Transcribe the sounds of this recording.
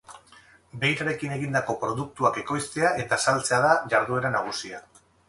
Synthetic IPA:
be̞jɾaɾe̞kine̞ɣ̞ind̪ako̞pɾo̞ðuk̚t̪uake̞ko̞jst̪e̞aʔe̞t̪asalt͡se̞aðaʝaɾðue̞ɾanaɣ̞usia

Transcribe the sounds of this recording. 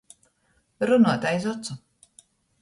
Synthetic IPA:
ɾunuɔt̪ajzɔt̪su

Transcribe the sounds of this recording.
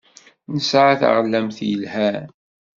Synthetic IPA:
nəsʕaθa̰ʁlːæmθjəlhæ

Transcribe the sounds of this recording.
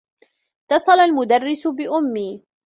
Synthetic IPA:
t̪ɑsˤɑlalmʊd̪arːɪsʊbɪʔʊmːiː

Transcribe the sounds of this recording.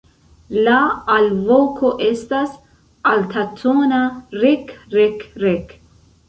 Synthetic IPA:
laalvokʰoʔest̪as | alt̪ʰat̪onaɾekɾekɾek

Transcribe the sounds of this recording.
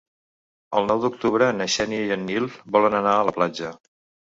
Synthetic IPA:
əlˠnɔwd̪uk̚t̪uβɾənəʃɛnijənːilˠbɔlənənaələplad͡ʒə

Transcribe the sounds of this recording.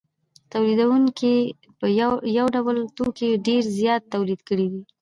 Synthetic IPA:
t̪awlid̪awuŋki | pəjawɖawəlt̪okeɖeɾzjɑt̪ːawlid̪kəɽid̪i

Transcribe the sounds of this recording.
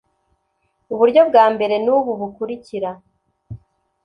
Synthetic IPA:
uβuɾɟo̞b̚ɡaːmbe̞ɾe̞nuβuβukuɾiciɾa

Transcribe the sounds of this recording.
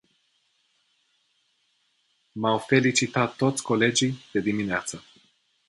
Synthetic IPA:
mawfe̞lit͡ʃit̪at̪ːo̞t̪sʲkole̞d͡ʒijd̪̥e̞d̪imineat̪sə

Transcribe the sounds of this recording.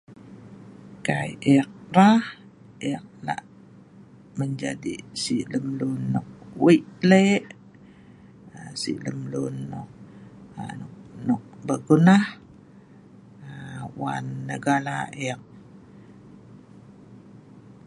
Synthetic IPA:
kajɛk̚ɾah | ʔɛk̚la̰ʔ | məɲd͡ʒadḭsiləmlunːɔk̚wiʔleʔ | əsḭləmlunːɔk̚ | nʊk̚nɔk̚bəɡunah | əwa̰nːəɡalaʔɛk̚

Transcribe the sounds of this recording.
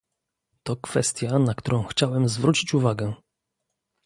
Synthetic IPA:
t̪ɔkfɛst̪ʲjanakt̪uɾʔɔ̃w̃xt͡ɕawɛmzvɾut͡ɕit͡ɕuvaɡɛ

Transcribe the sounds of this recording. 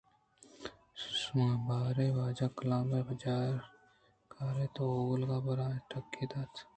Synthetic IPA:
sabaːɾebaːd͡ʒaːkəlãːmebɐd͡ʒaːɾ | kaːɾet̪ooːɡlɡaːbɐɾaːʈɐkːid̪aːt̪

